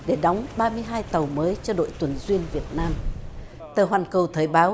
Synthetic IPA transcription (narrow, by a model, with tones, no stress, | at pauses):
ɗe˧˩ɗɔ˨˦wŋ͡mɓaː˧mɨ˧əjɦaː˧jt̪ə˨˩wməː˨˦jt͡ɕɔ˧ɗo̰˧˨jt̪wə˨˩nzwi˧ənvi˨˩ət̚naː˧m | t̪əː˨˩ɦwaː˨˩nkə˨˩wt̪ʰəː˨˩jɓaː˨˦